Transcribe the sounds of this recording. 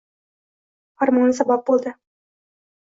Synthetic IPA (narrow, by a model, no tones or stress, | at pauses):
ɑrmos̬ɑbɑp̚bulˠd̪ɤ